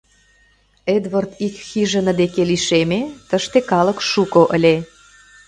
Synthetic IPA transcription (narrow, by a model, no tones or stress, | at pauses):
ed̪vərt̪ikxiʒə̆nə̆d̪ekeliʃemet̪əʃt̪ekɑlə̆kʃukoʔəlʲe